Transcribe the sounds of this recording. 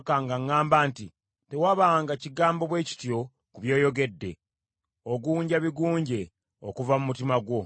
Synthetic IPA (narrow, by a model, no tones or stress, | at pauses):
kaŋɡaŋːaːmbaːnti | te̞waβaːŋɡaciɡaːmbo̞βwe̞ːci̥tjo̞ | kuβjo̞ːjo̞ɡe̞dːe̞̰ | oɡuːɲɟaβiɡuːɲɟe̞ | okuvamumutimaɡwo̞